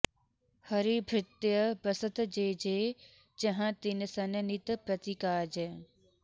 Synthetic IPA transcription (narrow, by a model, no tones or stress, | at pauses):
hɐɾibʱɾɪt̪jəbɐsət̪d͡ʑeːd͡ʑeː | t͡ɕɐɦãt̪inɪsɐnənit̪əpɾɐt̪ikaːd͡ʑe